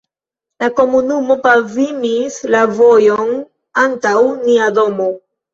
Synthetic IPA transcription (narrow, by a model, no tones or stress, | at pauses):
lako̞munumo̞pavimislavo̞jo̞n | antawniado̞mo̞